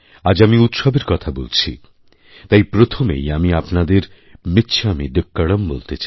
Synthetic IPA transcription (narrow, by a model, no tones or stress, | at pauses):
ad͡ʑamiut̪ʃobeɾkɔt̪ʰabolt͡ɕʰḭ | t̪ajpɾot̪ʰomḛjamiapnad̪eɾ | met̪ːt͡ɕʰeamid̪ekːaɽombolt̪et͡ɕaj